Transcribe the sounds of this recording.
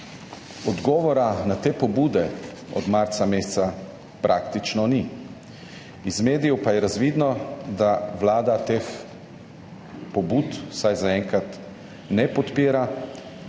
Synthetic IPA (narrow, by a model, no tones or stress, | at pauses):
ɔd̪ɡɔːʋɔɾanat̪eːpɔbuːd̪ɛ | ɔ̰d̪maɾsameːssa | pɾʔakt̪it͡ʃnɔni | izmeːd̪ijɔpajɛɾazʋiːd̪nɔd̪aʋlaːd̪at̪eːx | pɔbut̪sajzaɛŋkɾat̪ | nɛpɔt̪piːɾa